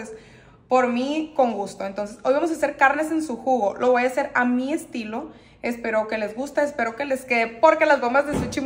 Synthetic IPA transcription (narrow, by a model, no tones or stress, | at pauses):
es | po̞ɾmiko̞ŋɡust̪o̞ent̪o̞ns̬e̞so̞jβamos̬ase̞ɾkaɾne̞s̬e̞nsuxuɣo̞lʔo̞βojase̞ɾamiest̪ilo̞ | espe̞ɾo̞ke̞le̞zɣust̪aespe̞ɾo̞ke̞le̞ske̞ðepo̞ɾke̞lazɡo̞mbazleset͡ʃim